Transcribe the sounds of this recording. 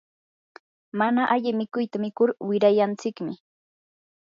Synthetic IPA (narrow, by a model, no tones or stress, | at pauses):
manaʔaʎɪmɪkʊjt̪amɪkʊɾwɪɾajant͡sɪkmɪ